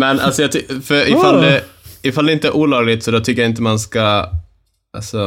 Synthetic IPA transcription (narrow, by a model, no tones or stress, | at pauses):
mɛnʔa̰lsɔjɑːt̪fœɾɪfald̪ɛɪfald̪ɛɪnt̪əæʔuːlɑːɡlɪt̪sɔd̪ɔt̪ʰʏkːjaɪnt̪əmanska | ʔa̰lsɔ